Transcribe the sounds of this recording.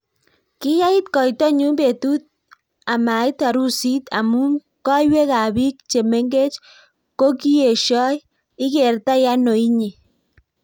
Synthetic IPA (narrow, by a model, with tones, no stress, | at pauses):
kɪ˦ja˦i˦t̪kɔ˨jtɔ˦ɲu˦mbe˨tu˦t̪̚ | a˨ma˨ɪ˦t̪a˨ɾu˦si˦t̪a̰˨mu˦m | kɔ˦jwe˦ka˨bi˦k̚t͡ʃe˨me˦ŋɡe˦t͡ʃ | ko˦ki˦e˨ʃɔ˦j | ɪ˦ke˨ɾta˦ja˦no˨i˦ɲe˨